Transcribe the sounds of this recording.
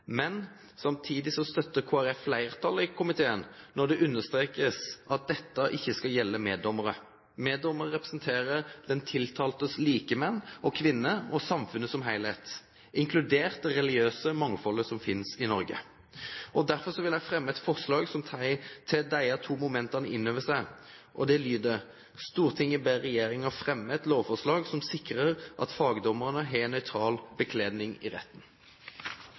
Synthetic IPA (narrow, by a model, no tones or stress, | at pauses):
mɛn | sɑmt̪ʰiːd̪ɪsɔst̪œt̪ːəkʰoːæɾɛflæɪʁt̪ʰɑləɪkʰʊmɪt̪ʰeːənnɔʁd̪ɛʔʉnːəst̪ɾeːkəsɑt̪̚d̪ɛt̪ːɑʔɪçːəskɑljɛlːəmeːd̪ɔməɾə | meːd̪ɔməʁəʁɛpʁəsnt̪ʰeːɾəɾd̪ɛnt̪ʰɪlt̪ʰɑːlt̪əsliːkəmɛnːɔkʰʋɪnːəɔsɑmfʉnəsɔmɦæɪlhet̪ | ɪŋkʰlʉd̪eːʁt̪̚d̪ɛɾɛlɪɡøːsəmɑŋːfɔlːəsɔmfɪnsɪnɔɾɡə̰ | ɔd̪æʁfɔʁsɔʋɪlæɪfʁɛmːəɛt̪fɔʁslɑːɡsɔmt̪ʰæɪt̪ʰɛd̪æɪət̪ʰuːmʊmɛnt̪ɑnəʔɪnːøːʋəsæɪ | ʔɔd̪ɛlyːd̪ə | st̪uːʁt̪ʰɪŋɪbæʁɛjeːɾɪŋɑfʁɛmːəɛt̪loːʋfɔʁʂlɑːɡsɔmsɪkɾəʁʔɑ̰t̪fɑːɡəd̪ɔmːəʁnəɦɛnːœʏt̪ʰʁɑːlbəkʰleːd̪nɪŋɪ̰ʁɛ̰t̪ːn